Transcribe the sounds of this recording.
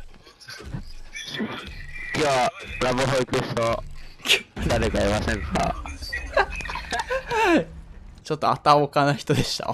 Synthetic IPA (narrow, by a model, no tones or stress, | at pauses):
kʲoːaɾaβɯɦoikɯɕokʰʲod̪aɾekaimasẽ̞ŋka̰ | t͡ɕo̞t̪ːoat̪aokanaçi̥t̪o̞d̪e̞ɕi̥t̪a̰